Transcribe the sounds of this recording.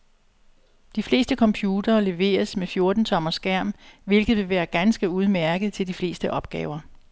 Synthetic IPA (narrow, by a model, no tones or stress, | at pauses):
d̥ifle̝̰ːsd̥əkʰɒ̽mpʰjuːd̥ɐːle̝ʋe̝̰ːɐsmefjo̝ɐd̥n̩t͡sʰɒ̽mɐsɡ̥æɐ̰mʋe̝lɡ̥ð̩ˠʋe̝ʋæːɐɡ̥ænsɡ̥əuð̞ˠmæɐɡ̥ð̞̩ˠt͡sʰe̝ld̥ifle̝ːsd̥əʔɒ̽b̥̚ɡ̥ɛ̰ːʊɐ